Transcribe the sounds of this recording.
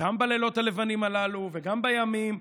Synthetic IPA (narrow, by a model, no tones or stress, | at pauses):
ambalelo̞thale̞vanimalaluveɡambajamim